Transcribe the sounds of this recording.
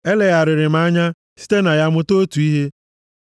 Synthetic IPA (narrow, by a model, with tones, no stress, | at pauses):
e˦le˨ɣa˨ɾɪ˨ɾɪ˨m̩˦a˦ɲa˦ | si̥˦te˦na˨ja˦mʊ˦to˦tu˨i˦ɦe˦